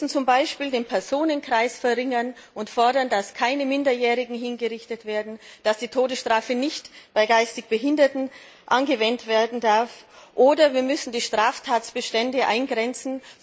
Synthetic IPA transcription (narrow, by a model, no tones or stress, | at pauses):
sn̩t͡sʊmbaɪʃpiːldeːnpʰɛɐzoːnənkʁ̥aɪsfɛʁɪŋɐnʔʊntfɔɐdɐndaskʰaɪnəmɪndɐjɛːʁɪɡŋ̩ɦɪnɡəʁɪçtətv̥eːɐdn̩d̥asd̥iːtʰoːdəsʃtʁ̥aːfənɪçtb̥aɪɡaɪstɪçb̥əɦɪndɐtn̩ | ʔanɡəvɛntv̥eːɐdn̩daɐfʔoːdɐviːɐmʏsn̩diːʃtʁ̥aːftʰaːtsb̥əʃtɛndəʔa̰ɪnɡʁɛnt͡sn̩